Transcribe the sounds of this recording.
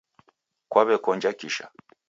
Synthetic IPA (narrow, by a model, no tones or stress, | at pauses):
kwaβɛkɔnd͡ʒakiʃa̰